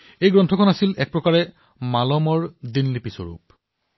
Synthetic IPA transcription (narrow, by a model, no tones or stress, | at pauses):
ejɡɹɔntʰɔkʰɔnasilɛk̚pɹɔkaɹɛ | malɔmɔɹd̪inlipisɔ̰ɹṵp̚